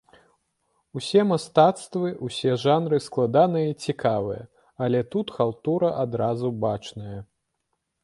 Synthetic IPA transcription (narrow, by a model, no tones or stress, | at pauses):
usʲɛmast̪at̪st̪vɨusʲɛʐanɾɨsklˠad̪anɨjɐit͡sʲikʰavɨjɐ̰ | ɐlʲɛt̪ut̪xalˠt̪uɾɐʔad̪ɾazubat͡ʂnɐjɐ